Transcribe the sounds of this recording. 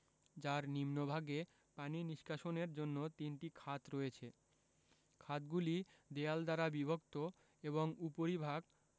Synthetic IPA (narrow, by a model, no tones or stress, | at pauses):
d͡ʑaɾnimnobʱaɡe | paniniʃkaʃoneɾd͡ʑonːot̪inʈikʰat̪ɾoet͡ɕʰe | kʰat̪ɡulid̪eald̪aɾabibʱokt̪o | eβoŋupoɾibʱaɡ